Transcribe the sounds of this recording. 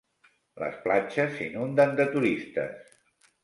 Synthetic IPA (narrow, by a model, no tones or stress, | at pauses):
lə̰splat͡ʃəsːinund̪ənd̪ət̪uɾist̪ə̰s